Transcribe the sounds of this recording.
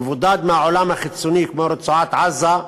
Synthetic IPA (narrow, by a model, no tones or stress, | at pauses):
vud̪aːd̪mɪaʕolamaxɪsunikmoɾɪt͡suʕat̪ʕazːa